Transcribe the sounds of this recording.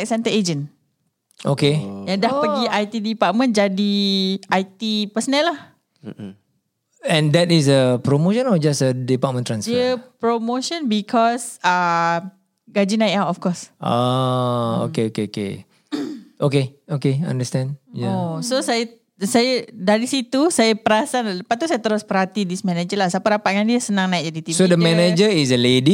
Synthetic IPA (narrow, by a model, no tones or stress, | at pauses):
ɛk̚sɛ̃nt̪əed͡ʒə̃n | ʔo̰kejãdahpəɡiʔajt̪idipaʔ̚mə̃nd͡ʒadiʔajt̪ipəsənɛlːah | ɛ̃ndɛtis̬əpɾomoʃə̃nɔfd͡ʒasədipat̚mə̃ntɾãnsəpɾomoʃə̃nbikʰɔsa | ɡad͡ʒinãjtawtɔfkɔsʔa | o̰keokeokḛ | ʔokeokeã̰ndəstɛ̃ndjaososaja | sajadaɾisit̪usajapəɾasaləpat̪usajət̪əɾospəɾhat̪idismɛ̃nad͡ʒəlahsapaɾapat̪̚ŋãndiəsənãŋnaik̚d͡ʒadit̪isodəmɛned͡ʒəis̬əledi